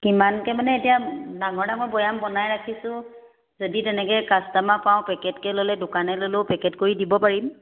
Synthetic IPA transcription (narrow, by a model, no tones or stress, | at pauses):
kimankɛmanɛetijadaŋɔɹdamɔjbɔjambɔnajɹakʰisʊ̃ | zoditɛnɛkɛkastamapaʊ̃pɛkɛtkɛlolɛdʊkanɛlolopɛkɛtkoɹidibɔpaɹim